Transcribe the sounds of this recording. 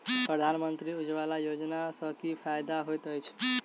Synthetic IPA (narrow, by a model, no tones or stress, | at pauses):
pɾəd̪ʱanmənt̪ɾiud͡ʒwalajod͡ʒnasʌ̃kipʰajd̪aɦojt̪əjt͡ʃʰ